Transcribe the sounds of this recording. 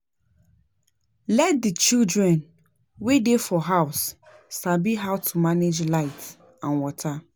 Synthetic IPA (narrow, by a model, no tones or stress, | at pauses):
lɛt̚dit͡ʃildɾɛ̃n | wedefɔɦaʊsː | abiɦaʊtʰumaned͡ʒlaɪt | ãnwɔtʰa